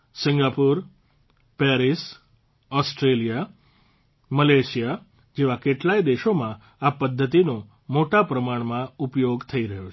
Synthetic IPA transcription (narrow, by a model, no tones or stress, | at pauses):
sɪ̃ŋɡapuɾ | pɛɾis | ɔsʈɾelija | məleʃija | d͡ʒeʋakeʈlaid̪eʃomã | apəd̪ʱːət̪ino | moʈapɾəmaɳmãupjoɡt̪ʰəiɾəɦjo